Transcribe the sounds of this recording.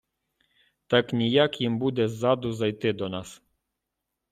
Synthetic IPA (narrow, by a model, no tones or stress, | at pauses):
t̪aknʲijakjimbud̪ezad̪uzajt̪ed̪ɔnas